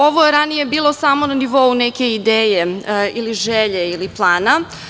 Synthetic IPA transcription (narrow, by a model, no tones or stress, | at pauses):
o̞ʋojeɾanije̞biːlˠo̞samo̞naniʋo̞uneke̞id̪eːjeiliʒeʎeiliplˠaːna